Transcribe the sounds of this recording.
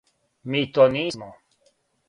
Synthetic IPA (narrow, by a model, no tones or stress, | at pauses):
miːt̪onimo